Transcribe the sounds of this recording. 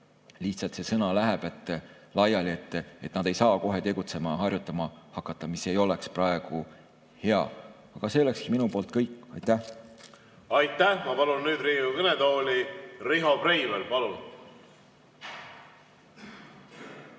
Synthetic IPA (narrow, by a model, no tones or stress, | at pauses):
liht̪sɑlt̪se̞sɤnɑlæɦeb̥e̞t̪ːˑ | lɑjɑlie̞t̪ːˑe̞t̪ːnɑd̪̥e̞jsɑːko̞ɦe̞t̪e̞ɡ̥ut̪se̞mɑɦɑrʲjut̪ːˑɑmɑhɑkːˑɑt̪ːˑɑmisejo̞leksprɑeɡ̥u | he̞ɑ̰ | ɑɡ̥ɑse̞ːlekskiminupo̞ːlt̪̚kɤjkːɑjt̪ːˑæh | ɑjt̪ːˑæhmɑpɑlunːyːd̪riːmukɤned̪o̞ːlʲiriɦo̞prejvelpɑlun